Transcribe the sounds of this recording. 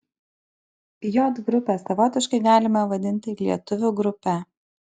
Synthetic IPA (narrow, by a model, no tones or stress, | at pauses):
joːt̪ɡɾʊpʲeːsɐʋɔːt̪ʲɪʃkɐɪɡɑːlʲɪmɐʋɐd̪ʲɪnʲt̪ʲɪlʲiɛt̪ʊʋʲʊːɡɾʊpʲæ